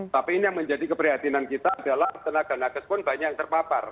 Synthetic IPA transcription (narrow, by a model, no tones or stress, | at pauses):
t̪apiinijaŋməɲd͡ʒadikəpɾiɦat̪inankit̪aːdalaht̪ənaɡ̥anakəspʊnbaɲajaŋt̪ərpapar